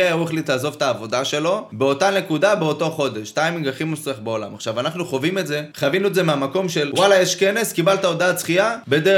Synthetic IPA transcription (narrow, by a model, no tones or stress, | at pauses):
ajaueχlit̪aːzo̞vt̪aːvo̞daʃe̞lo̞be̞o̞tane̞kud̪abe̞oto̞χo̞d̪e̞ʃt̪aimiɡaχimusiaχbeo̞la̰maχʃavanaχnuχo̞vime̞tze̞χavinuetzemeamako̞mʃe̞lwalajeʃke̞ne̞skibalt̪aod̪aːt͡sχiabe̞d̪e